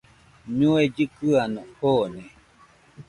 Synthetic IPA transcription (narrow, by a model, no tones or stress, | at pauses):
ɲũed͡ʒɨkɨanõhone